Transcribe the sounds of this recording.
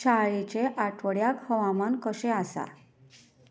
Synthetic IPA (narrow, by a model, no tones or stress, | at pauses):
t͡ɕaɭit͡ɕeʔaʈʰʋəɽjakhəʋamankəɕeasa̰